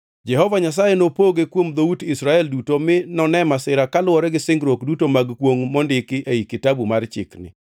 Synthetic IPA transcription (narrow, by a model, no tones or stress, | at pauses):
d͡ʒɛɦɔvaɲas̬ajenopoɡekwomd̪outɪsɾaɛldutomɪnɔnɛmasɪɾakalʊwɔɾɛɡɪsɪŋɡɾokdutomaɡkwoŋmɔndɪkɪʔeikɪtabumart͡ʃɪ̰knɪ̰